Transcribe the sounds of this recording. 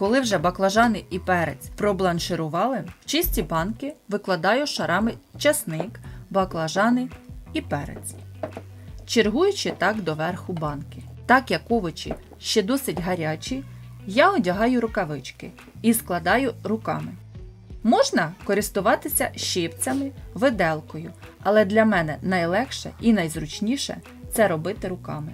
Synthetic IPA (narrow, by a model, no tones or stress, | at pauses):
kɔlˠɪwʒɛbɐklˠɐʒɑnɪʔipɛɾḛt͡sʲpɾɔblˠɐnʃɪɾʊʋɑlˠɪw̥t͡ʃɪsʲtʲibɑnkɪʋɪklˠɐd̪ɑjʊʃɐɾʔɑmɪt͡ʃɐsnɪkbɐklˠɐʒɑnɪipɛɾḛt͡sʲ | t͡ʃerɦujʊt͡ʃɪt̪ɑkd̪ɔʋɛrxʊbɑnkɪ̥t̪ɑkjɐkːɔʋɔt͡ʃḭ | ʃt͡ʃɛd̪ɔsɪtʲɦɐɾʲɑt͡ʃʲijaɔdʲɐɦɑjʊɾʊkɐʋɪt͡ʃkɪ̰ | isklˠɐd̪ɑjʊɾʊkɑ̰mɪ | mɔʒnɐkɔɾɪst̪ʊʋɑt̪ɪsʲɐʃɪpt͡sʲɐmɪʋɪd̪ɛlˠkɔjʊɐlˠɛd̪lʲɐmɛnɛnɐjlˠɛxʃɛ̰inɐjzɾʊt͡ʃnʲiʃɛ̰ | t̪sɛɾɔbɪt̪ɪɾʊkɑ̰mɪ